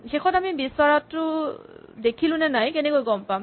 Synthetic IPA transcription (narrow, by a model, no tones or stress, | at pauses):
xexʰɔtamibisɔɹatːʊ | dekʰilʊ̃nɛnajkɛnɛkojɡɔmpam